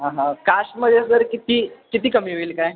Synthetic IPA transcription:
ɦãɦãkaʃməd̪ʱesəɾkit̪iːkit̪iːkəmiːɦoiːlkaj

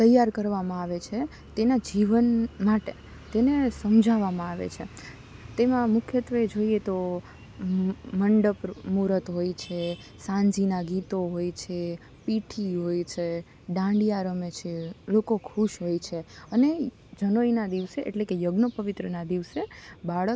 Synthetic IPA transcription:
t̪əjːaɾkəɾʋamãaʋet͡ʃʰe | t̪enad͡ʒiʋənmaʈe | t̪enesəmd͡ʒʱaʋamãaʋḛt͡ʃʰe | t̪emãmʊkʰjət̪ʋəed͡ʒoiet̪o | məɳɖəpmuɾət̪ɦojt͡ʃʰe | sãɲd͡ʒinaɡit̪oɦojt͡ʃʰe | piʈʰiɦojt͡ʃʰe | ɖãɳɖijaɾəmet͡ʃʰelokokʰuʃɦojt͡ʃʰeəne | d͡ʒənoinad̪iʋseʔḛʈlekejəɡnəpəʋɪt̪ɾənad̪iʋsebaɭə

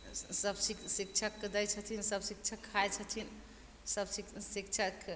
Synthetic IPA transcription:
səbsiksik̚t͡ʃʰəkːd̪əjt͡ʃʰət̪ʰinsəbsik̚t͡ʃʰəkʰːajt͡ʃʰət̪ʰin | səbsisik̚t͡ʃʰək

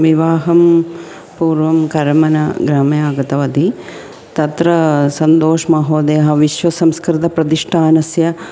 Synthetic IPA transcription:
ʋiʋaːɦɐm | puːɾʋɐmkɐɾmɐnɐ̰ɡɾaːmjaːɡɐt̪ɐʋɐd̪i | t̪ɐt̪ɾɐsɐnd̪oːʃmɐɦoːd̪eːɦɐʋiʃʋɐsɐmskɾit̪ɐpɾɐt̪iʂʈʰaːnɐsjɐ

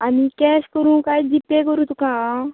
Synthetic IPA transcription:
amikɛɕkəɾũːkajd͡ʑipːẽkəɾũt̪ukã

